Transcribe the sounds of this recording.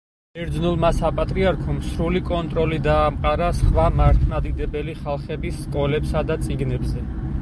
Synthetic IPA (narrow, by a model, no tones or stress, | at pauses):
ɛɾd̪znulˠmasapʼat̪ʼɾiaɾkʰɔmsɾulikʼɔnt̪ʼɾɔlid̪aːmqʼaɾasχwamaɾt̪ʰmad̪id̪ɛbɛliχalˠχɛbisːkʼɔlɛpsad̪at̪sʼiɡnɛbzɛ